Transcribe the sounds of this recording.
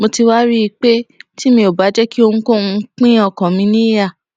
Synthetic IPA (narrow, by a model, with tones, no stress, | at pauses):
mo˧ti˧wa˦ɾi˦i˧k͡pe˦ti˦mĩ˧o˨ba˨˦d͡ʒɛ˦ki˦o˧ŋũ˧˦ko˦˨ũ˧˦k͡pĩ˦ɔ˦˨kɔ̃˨mĩ˧˦nĩ˦ja˦˨